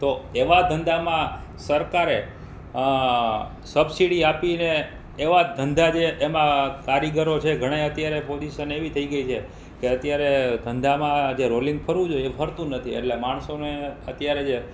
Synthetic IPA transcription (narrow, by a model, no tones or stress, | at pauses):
t̪oeʋad̪ʱənd̪ʱamãsəɾkaɾe | səbsiɽiapineː | ʋad̪ʱənd̪ʱad͡ʒeʔːmãkaɾiɡəɾot͡ʃʰeɡʱəɽ̃əjət̪jaɾepod͡ʒiʃəneʋit̪ʰəiɡəit͡ʃʰe | keət̪jaɾed̪ʱənd̪ʱamãd͡ʒeɾoliŋɡpʰəɾʋũd͡ʒojeepʰəɾt̪ũnət̪ʰiḛʈlemaɳ̃soneət̪jaɾed͡ʒe